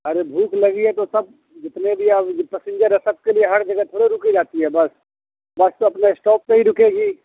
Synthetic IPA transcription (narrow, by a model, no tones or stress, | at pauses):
ɐɾebʱuːklɐɡiɦɛ̃t̪osɐb̚ | d͡ʒɪt̪nebʱiɐpɛːsɪ̃nd͡ʒəɾɛsɐb̚kelieɦɐɾd͡ʒɐɡɛt̪ʰoːɽeɾʊkid͡ʒaːt̪iɦɛbɐs | bɐst̪oɐpnaɪsʈɔːp̚neɦiɾʊkeːɡiː